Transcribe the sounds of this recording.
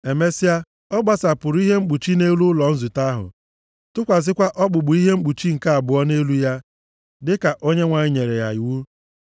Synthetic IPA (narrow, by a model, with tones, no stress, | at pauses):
e˨me˦si˦a˦ | ɔ˦ɡ͡ba˨sa˨pʊ˨ɾʊ˦i˦ɦe˦ŋ͡m̩˦k͡pu˨t͡ʃi˦ne˦lu˦ʊ˦lɔ˨n̩˦zu˨ta˦ɦʊ̰˨ | tʊ˦kʷa˨zɪ˦kʷa˦ʔɔ˦k͡pʊ˨ɡ͡bʊ˨i˦ɦe˦ŋ͡m̩˦k͡pu˨t͡ʃi˦ŋ̩˨ka˦a˨bʊ˨ɔ˦ne˦lu˦ja˦ | dɪ˦ka˨ʔo˦ɲe˦ŋʷa˨ɲɪ˦ɲe˨ɾe˨ja̰˨i˨wu˦